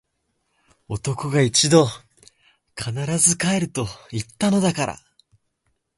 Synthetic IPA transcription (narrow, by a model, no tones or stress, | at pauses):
o̞t̪o̞ko̞ɡait͡ɕid̪o̞ | kʰanaɾazɨkae̞ɾɯ̟t̪o̞it̪ːano̞d̪akaɾa̰